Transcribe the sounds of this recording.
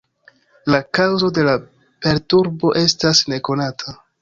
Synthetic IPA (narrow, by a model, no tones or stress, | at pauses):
lakawzo̞de̞la | pe̞ɾtuɾbo̞ʔe̞stasne̞ko̞natʰa